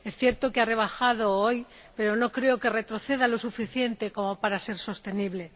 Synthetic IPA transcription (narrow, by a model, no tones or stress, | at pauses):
esθjeɾt̪okeare̞β̞axað̞ooj | pe̞ɾo̞no̞kɾe̞oke̞re̞t̪ɾo̞θe̞ðalo̞sufiθje̞nt̪e̞ko̞mopaɾase̞ɾso̞st̪e̞niβle̞